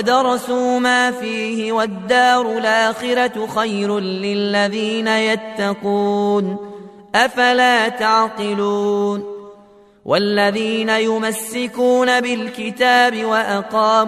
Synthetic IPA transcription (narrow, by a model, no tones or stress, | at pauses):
wd̪ɑɾˤɑsuːmaːfiːhɪwad̪ːaːɾˤʊlʔaaːxɪɾaxajɾʊːɪlːaðiːnajat̪ːaquːn | ʔafalaːt̪aʕqɨluːn | wʔa̰lːaðiːnajʊmasːɪkuːnabɪlkɪt̪aːbɪwaʔaqɑːm